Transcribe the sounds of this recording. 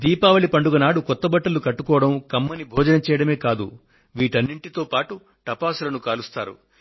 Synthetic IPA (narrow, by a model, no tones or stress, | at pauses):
d̪iːpaːʋɐɭipɐɳɖuɡɐnaːɽukɔt̪ːɐbɐʈːɐlukɐʈːukɔːɽɐmkɐmːɐnibʱɔːd͡ʒɐnɐt͡ʃɛːjɐɽɐme̞ːkaːd̪u | ʋiːʈɐnːiɳʈit̪oːpaːʈu | ʈɐpaːsulɐnukaːlust̪aːɾṵ